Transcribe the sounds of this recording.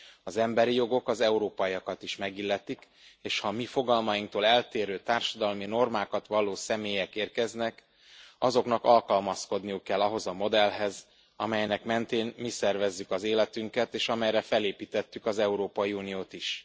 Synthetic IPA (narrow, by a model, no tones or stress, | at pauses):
ɒzɛmbɛɾijo̞ɡo̞kɒzɛuɾoːpɒiɒkɒt̪iʃmɛɡilːɛt̪ik | eːʃhɒmifo̞ɡɒlmɒjiŋkt̪oːlɛlt̪eːɾøːt̪aːrʃɒd̪ɒlmino̞rmaːkɒt̪ʋɒloːsɛmeːjɛkeːrkɛznɛk | ɒzo̞knɒkɒlkɒlmɒsko̞d̪nijukːɛlːɒɦo̞zɒmo̞d̪ɛlɦɛz | ɒ̰mɛjnɛkmɛnt̪eːnmisɛrvɛzːykɒzeːlɛt̪yŋkɛt̪eːʃɒmɛjɾɛfɛleːpiːt̪ɛt̪ːykɒzɛuɾoːpɒjiunijoːt̪iʃ